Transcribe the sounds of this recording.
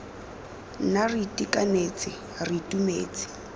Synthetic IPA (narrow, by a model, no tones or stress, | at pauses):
naritʼikanet͡sʼɪ | ritʼumḛːt͡sʼɪ̥